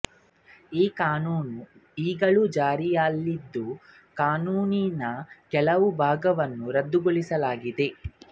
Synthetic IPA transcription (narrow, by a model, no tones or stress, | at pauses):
iːkaːnuːnuiːɡɐɭud͡ʒaːɾijalːid̪ːu | kaːnuːninɐkɛlɐʋubʱaːɡɐʋɐnːuɾɐd̪ːuɡoɭisɐlaːɡid̪e̞